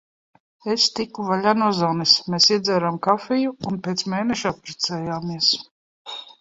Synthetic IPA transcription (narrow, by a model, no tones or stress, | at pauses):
est̪ikːuvaʎʲanɔɔzawnɛsmeːsiɛd̪zɛːɾamkafɛjuːnpeːt̪smeːnɛʃappɾɛt̪sɛːjaːmiɛs